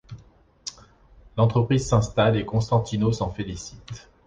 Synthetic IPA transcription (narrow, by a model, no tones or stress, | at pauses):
lɑ̃t̪χəpχizsɛ̃st̪alekɔ̃st̪ɑ̃t̪inosɑ̃felisi̥t̪